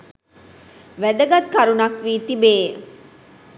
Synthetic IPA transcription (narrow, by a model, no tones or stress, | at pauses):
ʋæd̪əɡat̪kaɾunɐkʋiːt̪ibeː